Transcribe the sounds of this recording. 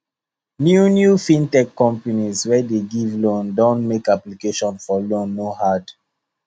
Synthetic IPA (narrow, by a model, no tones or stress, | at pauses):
njunjufĩntɛkːɔ̃mpanizwɛdeɡivlõndɔ̃nmekaplikeʃɔ̃nfɔlõnːohad